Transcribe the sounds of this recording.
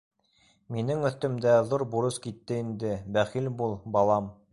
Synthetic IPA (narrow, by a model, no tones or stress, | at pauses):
minɘŋɵ̆θt̪ɵ̆md̪æðuɾbuɾɤskit̪ːɘind̪ɘbæχilbulˠbɑlˠɑm